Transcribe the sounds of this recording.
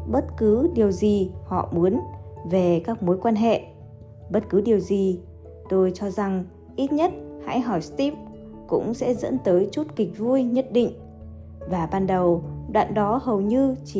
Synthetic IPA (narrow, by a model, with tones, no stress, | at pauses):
ɓə˦˥t̚kɨ˨˦ɗi˨˩əwzi˨˩hɔ̰˧˨mu˨˦ənve˨˩kaː˦˥k̚mo˨˦jkwaː˧nɦḛ˧˨ | ɓə˦˥t̚kɨ˨˦ɗi˨˩əwzi˨˩ | t̪o˧jt͡ɕɔ˧za˨˩ŋ | ʔi˦˥t̚ɲə˦˥t̚ha̰˧˥jɦɔ˧˩jst̪i˦˥p̚ | kʊ̰˧˥ŋ͡msɛ̰˧˥zə̰˧˥nt̪əː˨˦jt͡ɕu˦˥t̚kï˨˩k̟̚vu˧jɲə˦˥t̚ɗḭ˧˨ŋ̟ | vaː˨˩ɓaː˧nɗə˨˩wɗwa̰ː˧˨nɗɔ˨˦hə˨˩wɲɨ˧t͡ɕi˧˨